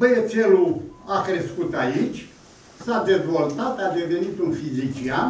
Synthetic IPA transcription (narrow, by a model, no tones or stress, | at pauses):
bəese̞luakɾe̞skut̪ait͡ʃʲ | sad̪e̞zvo̞lt̪at̪ad̪e̞ve̞nit̪unfizit͡ʃian